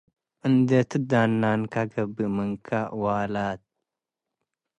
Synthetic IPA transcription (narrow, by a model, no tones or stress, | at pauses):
ɨnd̪et̪ɨd̪aːnːaːnkaɡɐbiməŋkʰawaːlaːt̪̚